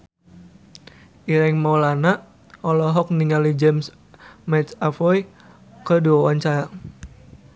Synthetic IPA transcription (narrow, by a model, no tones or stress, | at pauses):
iɾɛŋmɔwlanaʔ | ɔlɔɦɔk̚niŋalid͡ʒɛms | mɛt̪afɔj | kədiwawaɲt͡ʃaɾa